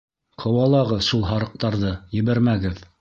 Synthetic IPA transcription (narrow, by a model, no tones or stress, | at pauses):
qʰɤ̆wɑlˠɑʁɤðʃulˠɦɑɾɤ̆q̚t̪ɑɾðɤjɘ̆βæɾmæɡɘð